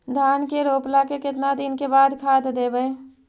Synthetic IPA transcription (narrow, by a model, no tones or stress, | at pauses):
d̪ʱaːnkeɾoːplakekɪt̪nad̪ɪnkebaːd̪kʰaːd̪d̪eːbəe